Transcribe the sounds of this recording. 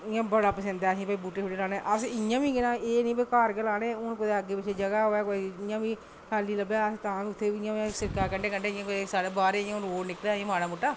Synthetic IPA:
ɪjãːbəɽaːpəsə̃nd̪aːsĩːpaiːbuːʈeːɦoːɽeːlaːneːʔəsɪjãːbĩːkɪnãːeːnĩːpekaːɾkelaːneːʊnpət̪aːəɡːeːpɪt͡ʃʰeːd͡ʒəɡaːɦoːɛːkoɪjãːʋĩː | kʰaːliːləbɛːəst̪ãːʊt̪ʰːeːɪãːãsɪɾkaːkəɳɖeːkəɳɖeːɪjãkosaːɽeːbaːɾeãonoːɽnɪkleːiãmaːɽãːmuʈːaː

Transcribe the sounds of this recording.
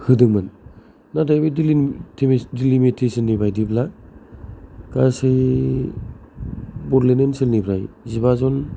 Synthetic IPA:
hɯdɯŋmɯn | nadajbɯdiitʰemdilimitʰesinːibajdibla | kasɯj | bɔɾlenensilnibʰɾajzibazɔn

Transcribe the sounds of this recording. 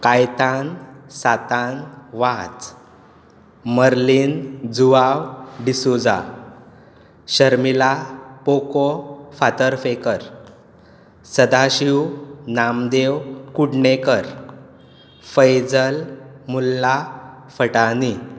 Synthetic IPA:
kajt̪ansat̪anʋat͡s | məɾlind͡zuawɖisud͡za̰ | ɕəɾmilapokofat̪əɾfekəɾ | səd̪aɕiwnamd̪ewkuɽɳekəɾ | fəjd͡zəlmulːa | fəʈani

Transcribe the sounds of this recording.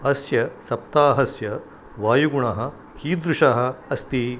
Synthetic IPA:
ɐsjɐsɐp̚t̪aːɦɐsjɐ | ʋaːjuɡuɳɐɦɐ | hiːd̪ɾuʃaɦɐ̆ɐst̪i

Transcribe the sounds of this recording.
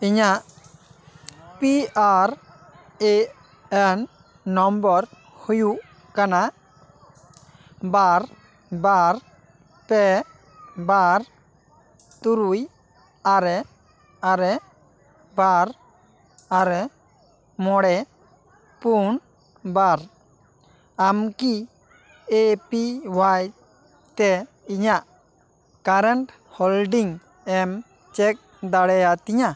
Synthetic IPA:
iɲaʔ | piaɾ | e | ɛnː | ɔmbɔɾ | huju | kana | baɾ | baɾ | pɛ | baɾ | t̪uɾuj | aɾɛ | aɾɛ | baɾ | aɾɛ | mɔɽɛ | puɳ | baɾ | amki | epiwaj | t̪ɛ | iɲaʔ | kaɾɛɳʈ | hɔlɖiŋ | ɛm | t͡ʃɛk̚ | d̪aɽɛjat̪iɲa

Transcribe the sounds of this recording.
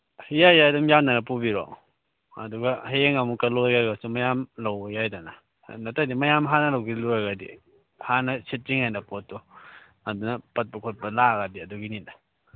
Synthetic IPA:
hijajadumjannanɐpubiɾɔ̰ | ɐ̰duɡaɦeeŋamukɐlojɡaɡasumɐjamlawjajdana | nɐtʰadimɐjamɦanɐlawɡiluɾaɡadḭ | hanɐsit̚ziŋhajnɐpotːɔ | ɐdunɐpɐt̚pɐkʰot̚bɐlaɡadiɐduɡinida

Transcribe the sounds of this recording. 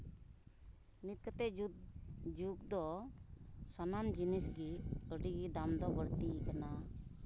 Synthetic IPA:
nit̪̚kət̪ɛ | d͡ʒuk̚d̪ɔ | sanamd͡ʒinisɡiəɖiɡid̪amd̪ɔbəɽt̪ikana

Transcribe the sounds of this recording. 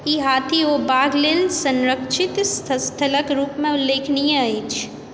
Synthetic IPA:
iːɦaːt̪ʰiʋobaːɡlɪlsə̃nɾəkʃɪt̪st̪ʰəst̪ʰələkɾuːpmẽʊlːeːkʰnijẽɐiːt͡ʃʰ

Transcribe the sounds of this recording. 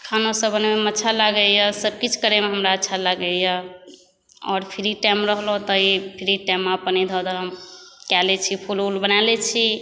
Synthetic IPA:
kʰanosəbʱənmemətːʃʰalaɡəjəsəbkit͡ʃʰkəɾemeɦəmɾaətːʃʰalaɡejə | ɔ̰ːɾpʰiɾiʈajmɾəɦlot̪ɔipʰiɾiʈamːapənid̪ʱɔd̪əɾɦəmkɛlet͡ʃʰipʰululbənalet͡ʃʰi

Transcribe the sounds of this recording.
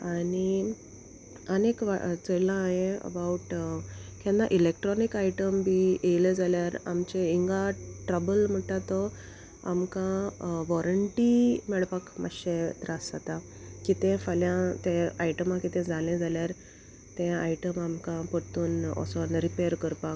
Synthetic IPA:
ani | ənekʋa̰t͡səjlãːɦẽə̰bauʈkʰɛ̃nd̪aʔilek̚ʈɾɔnikaiʈəmbijejled͡zaljaɾa̰mt͡ɕeiŋɡaʈɾəbəlm̤əʈat̪ɔ | a̰mkãʋɔɾəɳʈimɛɭpakma̰ɕet̪ɾasat̪a | kit̪ẽfaljãt̪ẽaiʈəmãkit̪ẽd͡zʱalẽd͡zʱaljaɾ | t̪ẽa̰iʈəmamkãpəɽt̪uːnɔ̰sɔnɾipejəɾkəɾpak

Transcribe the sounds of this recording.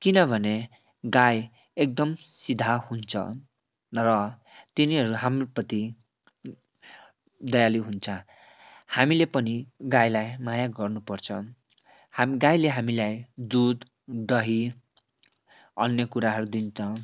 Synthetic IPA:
kinʌbʱʌne | ɡaj | ek̚d̪ʌmsid̪ʱahunt͡sʰʌ̰ | rʌt̪iniɦʌɾuɦamrpʌt̪i | d̪ʌjaliɦunt͡sʰʌ | hamilepʌniɡajlajmajaɡʌrnupʌrt͡sʰʌ | hɡajleɦamilajd̪ud̪ | ɖʌɦi | ʌ̰njʌkuɾaɦʌɾud̪int͡sʰʌ

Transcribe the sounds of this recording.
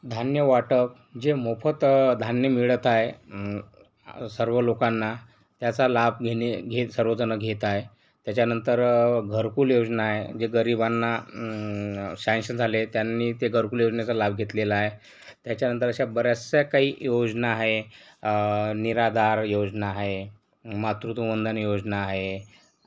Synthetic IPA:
d̪ʱanjəʋaʈəp̚ | d͡ʑemopʰət̪d̪ʱanjəmiɭət̪ae | səɾʋəlokanːa | t̪jat͡salab̚ɡʱeneɡʱesəɾʋəd͡zənəɡʱet̪ae | t̪jat͡ɕjanənt̪əɾɡʱəɾkuːljod͡znaːɦed͡ʑeɡəɾibanːa | sanɕənd͡zʱalet̪janːiːt̪eɡʱəɾkuːljod͡zɳjat͡salab̚ɡʱet̪lelaaːɦe | t̪jat͡ɕjanənt̪̬əɾəɕabəɾasakaɦiːjod͡znaːɦe | niɾad̪aɾjod͡znaːɦe | mat̪ɾut̪umənd̪ʱənjod͡znaːɦe

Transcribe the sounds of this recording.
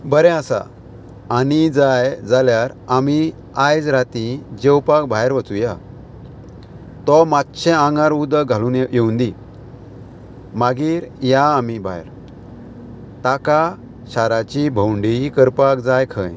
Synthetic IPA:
bəɾɛ̃asa̰ | anid͡zajd͡zaljaɾami | ajd͡zɾat̪ĩd͡ʑewpakbʱajɾʋət͡suja | t̪ɔmat̪ːɕʰɛ̃ãŋɡãɾud̪əɡʱaluːnjewnd̪ĩ | maɡiːɾjaːmibʱajɾ | t̪aka | ɕaɾat͡ɕibʱəwɳɖikəɾpakd͡zajkʰə̰̃j

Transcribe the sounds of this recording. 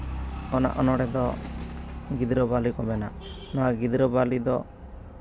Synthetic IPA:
ɔna̰ʔɔnɔɽɛd̪ɔ | ɡid̪ɾɔbalikɔbɛna̰ʔ | nɔaɡid̪ɾɔbalid̪ɔ

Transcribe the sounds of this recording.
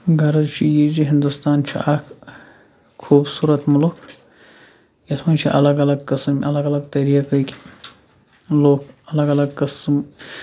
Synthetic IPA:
ɡɐɾɐd͡ʒt͡ʃʰijiːd͡ʒiɦind̪ust̪aːnt͡ʃʰḭʔaːkʰ | kʰuːbsuːɾɐt̪mulukʰ | jɐt̪ʰmɐnt͡ʃʰḭʔɐlɐɡɐlɐɡkɨsmɐlɐɡɐlɐɡt̪ɐɾiːkɐkʲi̥ | loːkɐlɐɡɐlɐɡ̚kɐsm

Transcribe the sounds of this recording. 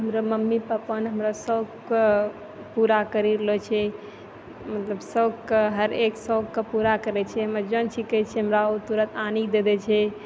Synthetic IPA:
ɦəmɾaməmːipapənɦəmɾasəɡk | puɾakəɾiɾəlɔt͡ʃʰɛ | mət̪ləbsəɡkɦəɾeksəɡkəpuɾakəɾɛt͡ʃʰɛɦəmd͡ʒənt͡ʃʰikɛt͡ʃʰɛɦəmɾaot̪uɾət̪ʰanikd̪ed̪ɛt͡ʃʰɛ

